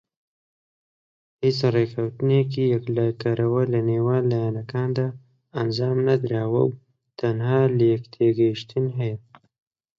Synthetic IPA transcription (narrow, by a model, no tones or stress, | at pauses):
hit͡sɾekʰawt̪nekijaklakaɾawalanewaːlːajanakaːnd̪aː | nzɑːmnad̪ɾaːwa̰w | t̪anhaːleːkt̪ʰeɡeʃt̪inɦe